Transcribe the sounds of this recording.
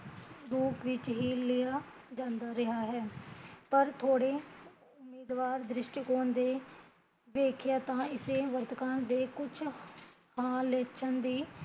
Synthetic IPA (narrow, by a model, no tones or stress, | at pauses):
d̪uːkʋɪt͡ʃɦiːlɪjaːd͡ʒãːnd̪aːɾɪɦaːɦɛːpəɾt̪ʰoːɽeː | ʊmːiːd̪ʋaːɾd̪ɾɪʃʈkoːnd̪eː | ʋeːkʰjaːt̪ãːɪseːʋət̪kãːd̪eːkʊt͡ʃʰ | hãːleːt͡ʃʰənd̪iː